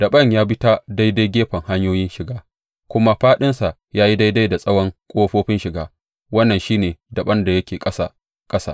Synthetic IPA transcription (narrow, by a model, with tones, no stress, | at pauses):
d̥ɐ˨ɓɐ˦˨ɲjaː˦bɪ˦ta˦da˦jda˦jɡʲeː˦ɸɐ˨ŋha˦ɲjoː˦jɪ˦nʃɪ˨ɡaː˦ | kʷʊ˦ma˦ɸaː˦ɗɪ˦nsa˨ʔjaː˦ji˦da˦jda˦jda˨sʼɐ˦wɐ˦ŋkʷʼoː˦ɸoː˦ɸɪ˦nʃɪ˨ɡaː˦ | wɐ˦nːɐ˨nʃiː˦neː˨dɐ˨ɓɐ˦nda˨jɐ˦kʲeː˨kʼɐ˦sa˨ | kʼɐ˦sa̰˨